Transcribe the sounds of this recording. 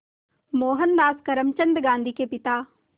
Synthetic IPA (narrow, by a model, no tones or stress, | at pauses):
moːɦənːaːskɐɾəmt͡ʃə̃nd̪ɡãːnd̪ʱikepɪt̪aː